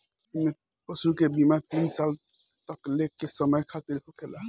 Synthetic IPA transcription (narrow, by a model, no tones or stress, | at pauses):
me | pəsukebimaɾt̪insal | t̪əklekesəməjkʰat̪iɾɦokela